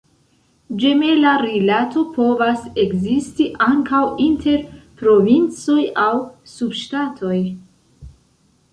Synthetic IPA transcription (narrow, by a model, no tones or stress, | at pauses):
d͡ʒe̞me̞laɾilatʰo̞pʰo̞vase̞kzistiʔaŋkawintʰe̞ɾpɾo̞vint͡so̞jawsubʃtatʰo̞j